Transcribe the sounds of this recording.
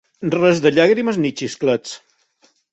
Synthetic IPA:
rɛzðəʎaɣɾiməznit͡ʃisklet͡s

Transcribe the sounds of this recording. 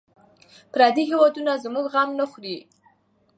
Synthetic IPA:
pɾɑd̪iɦewɑd̪unazmuɡɣamnəxɾi

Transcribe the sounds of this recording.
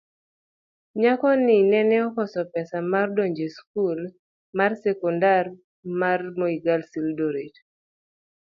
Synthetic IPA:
ɲakɔninɛnɛɔkɔsɔpɛsamardɔɲd͡ʒeskul | marsɛkɔndar | marmoiɡalsildoɾet

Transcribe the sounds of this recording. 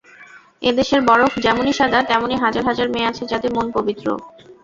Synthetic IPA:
ed̪eʃeɾbɔɽokd͡ʑɛmoniʃad̪ʱat̪ɛmoneɦad͡ʑaɾɦad͡ʑaɾmeat͡ɕʰed͡ʑat̪emonpobit̪ːɾo̰

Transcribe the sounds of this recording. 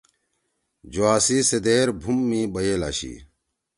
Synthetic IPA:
d͡ʑoaːsised̪eːɾbʱumːibɐjeːla̰ːɕḭ

